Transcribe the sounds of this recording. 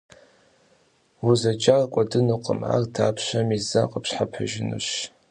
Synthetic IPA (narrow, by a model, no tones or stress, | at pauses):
wuzɐt͡ʃʼarkʷʼɔdɨnuqʼə̰ma̰rtʰaːpʰɕʷɐmizaqʼəpɕħapʰaʒɪnṵɕ